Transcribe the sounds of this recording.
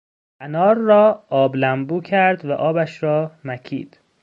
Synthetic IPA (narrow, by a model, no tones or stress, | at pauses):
ʔænɒːɾːɒːɒːblæmbuːcʰæɾd̪væʔɒːbæʃɾɒːmæcʰḭːd̪̥